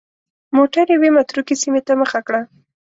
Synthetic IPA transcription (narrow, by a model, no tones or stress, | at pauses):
moʈaɾjawemat̪ɾukesimet̪aməxakɽa